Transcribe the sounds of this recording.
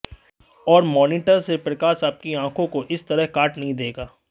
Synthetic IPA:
ɔːɾmɔːniːʈəɾsepɾɐkaːʃaːp̚kiãːkʰõkoʔɪst̪ɐɾəɦkaːʈnɐɦĩd̪eːɡaː

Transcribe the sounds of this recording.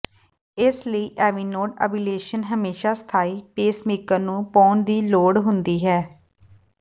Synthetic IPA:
ɪsləiːʔɛːʋiːnoːʈə̰ːbiːleːʃənɦəmeːʃaːst̪ʰaːiːpeːsmeːkənũːpɔ̃ːnd̪iːloːɽɦʊnd̪iːɦɛː

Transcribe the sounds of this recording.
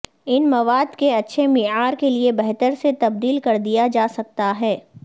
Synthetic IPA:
ɪnmɐʋaːd̪keɐtːʃʰemɪaːɾkeliebɛɦt̪əɾset̪ɐb̚d̪iːlkɐɾd̪ijad͡ʒaːsɐk̚t̪aɦɛː

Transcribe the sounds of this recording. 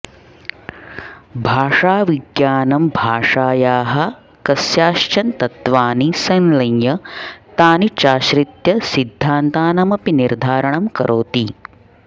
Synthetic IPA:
bʱaːʂaːʋiɡjaːnɐmbʱaːʂaːjaːɦɐ̆ | kɐsjaːʃt͡ʃɐnt̪ɐt̪ʋaːnisɐnlɐnjɐt̪aːnit͡ʃaːʃɾit̪jɐsid̪ʱːaːnt̪aːnɐmɐpiniɾd̪ʱaːɾɐɳɐmkɐɾʔoːt̪i

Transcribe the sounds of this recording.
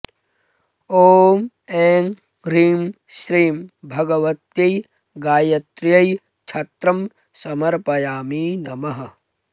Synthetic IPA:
oːm | eːŋ | ɾiːm | ʃɾiːmbʱɐɡɐʋɐt̪jɐj | ɡaːjɐt̪ɾjɐj | t͡ʃʰɐt̪ɾɐm | sɐmɐɾpɐjaːmiːnɐmɐɦɐ̆

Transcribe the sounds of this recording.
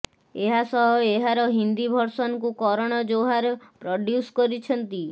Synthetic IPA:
eɦasɔɦɔeɦaɾɔɦind̪ibʱɔɾsɔnkukɔɾɔɽ̃ɔd͡ʒoɦaɾpɾɔɖjuskɔɾit͡ʃʰɔnt̪i

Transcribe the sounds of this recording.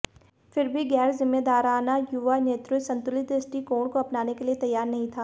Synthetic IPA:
fɪɾbʱiɡɛːɾzɪmːed̪aːɾaːnajuʋaneːt̪ɾʊsɐ̃nt̪ʊlɪt̪̚eːsʈikoːɽ̃koɐpnaːnekeliet̪ɐjːaːɾnɐɦĩt̪ʰaː

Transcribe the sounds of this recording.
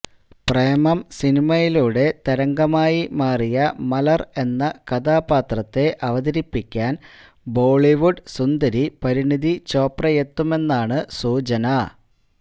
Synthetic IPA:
prejɐmɐmsinimɐjiluːɽe̞t̪ɐɾɐŋɡɐmaːjimaːrijɐmɐlɐre̞nːɐkɐd̪aːbaːt̪rɐt̪ːe̞ʔɐʋɐðɐɾipːikʲːaːn | bo̞ːɭiʋuɖsund̪ɐɾipɐɾiɳiðit͡ɕo̞ːprɐjet̪ːume̞nːaːɳɨsuːt͡ɕɐnɐ

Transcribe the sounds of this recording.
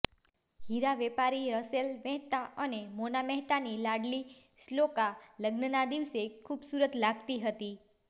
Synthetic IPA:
hiɾaʋɛpaɾiɾəselmɛɦt̪aənemonamɛɦt̪anilaɽli | slokaləɡnənad̪iʋsekʰubsuɾət̪laɡt̪iɦət̪i

